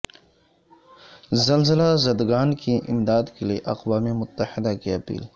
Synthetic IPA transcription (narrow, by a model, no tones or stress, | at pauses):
zɐlzɪlazɐd̪ɡaːnkiʔɪmd̪aːd̪kelieʔɐqwaːmimʊt̪ːɐhɪd̪akiɐpḭːl